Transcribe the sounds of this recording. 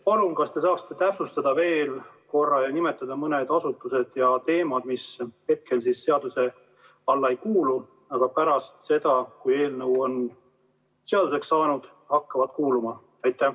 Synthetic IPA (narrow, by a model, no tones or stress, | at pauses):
pɑlunkɑst̪e̞sɑːkst̪ːet̪æpsust̪ɑd̪̥ɑve̞ːl | ko̞rːɑjɑnime̞t̪ːˑɑd̪ɑmɤne̞d̪ɑsut̪ːˑuse̞d̪̥jɑt̪e̞ːmɑd̪̥mishe̞t̪̚ke̞lsisːe̞ɑd̪use̞ | ɑlːɑejkuːlu | ɑɡ̥ɑpæɾɑst̪se̞d̪̥ɑkuje̞ːlnɤwo̞n | se̞ɑd̪use̞ksːɑːnud̪̥ | hɑkːɑvɑd̪̥kuːlumɑ | ɑjt̪ːˑæh